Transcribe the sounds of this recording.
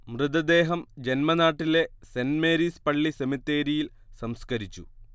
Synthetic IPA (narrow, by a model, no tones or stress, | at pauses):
mrɨd̪ɐd̪e̞ːɦɐmd͡ʑe̞nmɐnaːʈːile̞senme̞ːɾispɐɭːisemit̪ːe̞ːɾijil | sɐmskɐɾit͡ɕːu